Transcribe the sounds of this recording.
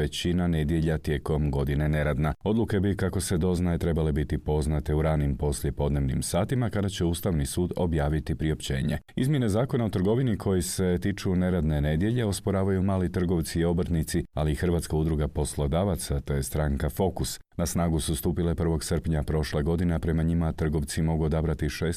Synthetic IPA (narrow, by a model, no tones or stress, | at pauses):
et͡ɕinane̞d̪je̞ʎat̪je̞ːko̞mɡo̞d̪ine̞ne̞ɾad̪nao̞d̪lˠuke̞bikako̞se̞d̪o̞znaet̪ɾe̞bale̞bit̪ipo̞znat̪e̞uɾaːnimpo̞slje̞po̞d̪ne̞ʋnḭmsaːt̪imakad̪at͡ɕe̞uːst̪aʋnisuːd̪o̞̰bjaːʋit̪ipɾio̞pt͡ɕe̞̰ːɲe̞̰ | ḭzmje̞nezaːko̞naot̪r̩ɡo̞ʋinikʰo̞jese̞t̪it͡ʃune̞ɾad̪ne̞ne̞d̪je̞ʎe̞o̞spo̞ɾaːʋajumaːlit̪r̩ɡo̞ʋt̪siio̞br̩t̪nit̪sia̰liːxr̩ʋat̪skaud̪ɾuɡapo̞slˠo̞d̪aʋat̪sat̪e̞jest̪ɾaŋkafo̞kus | nasnaːɡusust̪uːpile̞pr̩ʋo̞ɡsərpɲapɾo̞ʃleɡo̞d̪inapɾe̞maɲimat̪r̩ɡo̞ʋt̪simo̞ɡuo̞d̪abɾat̪iʃeːs